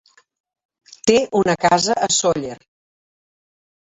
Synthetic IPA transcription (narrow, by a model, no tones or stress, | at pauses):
t̪eunəkazəʔəsoʎer